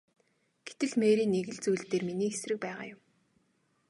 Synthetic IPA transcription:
ɡ̥et̪ɘ̆ɮmeːɾiːnːeɣɘ̆ɮt͡sujɮt̪eːrminiːxesrɘ̆k̚pæːʁa̰ːjʊm

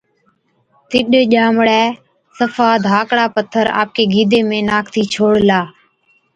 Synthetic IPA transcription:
t̪ɪɗʄaːmɽɛː | səfʰaːd̪ʱaːkɽaːpət̪ʰːəɾa̰ːp̚keːɡiːd̪eːmẽːnaːkʰt̪ʰiːt͡ʃʰoːɽlaː

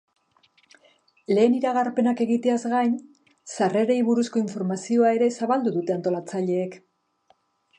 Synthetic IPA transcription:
le̞ːniɾaɣaɾpe̞nake̞ɣit̪e̞azɣajn | sare̞ɾe̞iβuɾusko̞iɱfo̞ɾmasio̞ae̞ɾe̞saβald̪uðut̪e̞ant̪o̞lat͡saʎe̞ːk

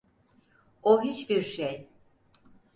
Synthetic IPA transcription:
oɦit͡ʃbiɾʃej

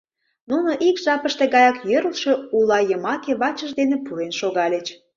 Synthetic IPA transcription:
nunoʔikʒ̥ɑpəʃt̪e̽ɣɑjɑkjøɾəlʃeulɑjəmɑkeβɑt͡ɕəʒd̪enepuenʃoɣɑlʲet͡ɕ

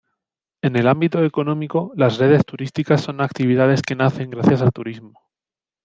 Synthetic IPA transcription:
e̞ne̞lambit̪oe̞ko̞nõ̞miko̞lasre̞ð̞e̞st̪uɾist̪ikasːo̞nak̚t̪iβ̞iðað̞e̞ske̞naθe̞ŋɡɾaθjasalt̪uɾizmo

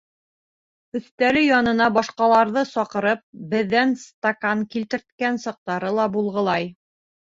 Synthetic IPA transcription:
ɵ̆θt̪æɾɘjɒnɤ̆nɑbɒʃqɑlˠɑɾðɤsɒqɤ̆ɾɤp̚bɘ̆ðːænst̪akaŋkilt̪ɘ̆ɾt̪̚kænsɑq̚t̪ɑɾɤlˠɑbulˠʁɤ̆lˠɑj

